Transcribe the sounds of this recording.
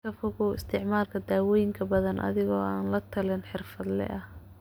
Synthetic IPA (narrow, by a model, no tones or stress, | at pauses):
kɐfʊɣʊwɪst̪ʰɪʕmaːrkʰɐd̪aːwɔːjɪŋkʰɐbɐðɐnʔɐ̰ðɪɣɔːaːnlɐt̪ʰɐlɪnħɪrfɐd̪lɛ̰ʔɐh